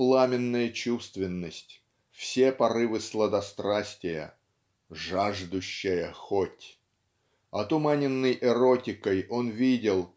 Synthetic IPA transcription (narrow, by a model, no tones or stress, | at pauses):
plˠamʲɪnːəjət͡ɕust̪vʲɪnːəsʲtʲ | fsʲepɐɾɨvɨslˠəd̪ɐst̪ɾasʲtʲɪjə̰ | ʐaʐd̪ʊɕːəjəxotʲ | ɐt̪ʊmanʲɪnːəjʔɛɾotʲɪkəjo̞nvʲidʲɪlˠ